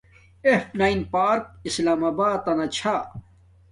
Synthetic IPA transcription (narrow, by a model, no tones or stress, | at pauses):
efnaːinpaːɾk̚islaːmaːbaːt̪ɐnat͡ɕʰa